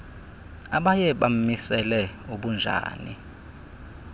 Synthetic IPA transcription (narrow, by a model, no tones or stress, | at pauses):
aɓajɛɓam̩misɛlɛuɓund͡ʒʱa̰ːni